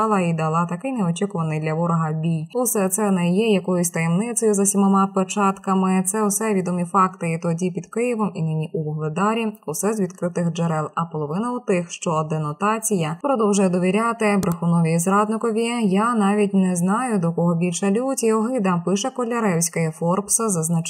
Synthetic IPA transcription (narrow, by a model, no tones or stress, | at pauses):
ɑlˠɑid̪ɐlˠɑt̪ɐkɪjnɛɔt͡ʃikʊʋɐnɪjd̪lʲɐʋɔɾɔɦɐbʲijusɛt̪sɛnɛjɛjɐkɔjʊsʲt̪ɐjɛmnɪt̪sɔjʊzɐsʲimɔmɑpet͡ʃɑt̪kɐmɪt̪sɛwsɛʋʲid̪ɔmʲifɑkt̪ɪit̪ɔdʲipʲid̪kɪjɪʋɔminɪnʲiʔuʋɔɦlˠed̪ɑɾʲiʊsɛzʋʲid̪kɾɪt̪ɪxd͡ʒeɾɛlˠɐpɔlˠɔʋɪnɐʊt̪ɪxʃt͡ʃɔd̪ɛnɔt̪ɑt͡sʲijɐpɾɔd̪ɔwʒʊjɛd̪ɔʋʲiɾʲat̪ɪbɾexʊnɔʋʲizɾɑd̪nɪkɔʋʲijanɑʋʲitʲnɛznɑjʊd̪ɔkɔɦɔbʲilʲʃɐlʲutʲiɔɦɪd̪ɐmpɪʃɛkɔlʲɐɾɛwsʲkɔjɛfɔrpsɐzɐznɐt͡ʃ